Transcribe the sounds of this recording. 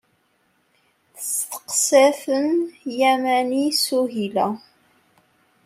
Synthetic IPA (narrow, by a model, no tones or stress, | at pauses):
θst̪ə̥qsæθənjæmænisuɦilæ